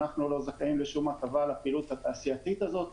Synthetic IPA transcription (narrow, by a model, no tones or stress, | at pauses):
aχnulo̞zakaimleʃumatavalapiːlut̪hat̪aːsiat̪it̪azo̞t̪